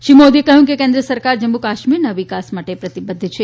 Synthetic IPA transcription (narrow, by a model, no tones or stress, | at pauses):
ʃimod̪iekəɦjũkekẽnd̪ɾəsəɾkaɾd͡ʒəmːukaʃmiɾnaʋikasmaʈepɾət̪ibəd̪ʱːt͡ʃʰe